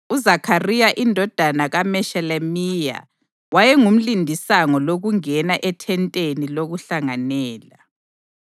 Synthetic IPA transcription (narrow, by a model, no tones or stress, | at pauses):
uzakʰarijaʔindʱɔd̥ʱanaɣamɛʃɛlɛmija̰ | wajɛŋum̩lindʱisaŋɔloɣuŋɛnaʔɛtʰɛntʼeniloɣuɬaŋanɛːla